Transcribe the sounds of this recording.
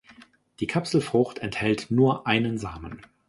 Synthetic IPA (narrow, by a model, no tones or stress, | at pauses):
d̥iːkʰapsl̩fʁ̥ʊxtɛnthɛltnuːɐʔaɪnənzaːmən